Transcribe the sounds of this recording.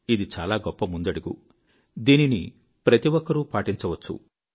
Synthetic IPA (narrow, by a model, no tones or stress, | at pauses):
id̪it͡ʃaːlaːɡɔpːɐmund̪ɐɽuɡṵ | d̪iːninḭ | pɾɐt̪iwɔkɐɾupaːʈiɲt͡ʃɐʋɐt͡ʃːṵ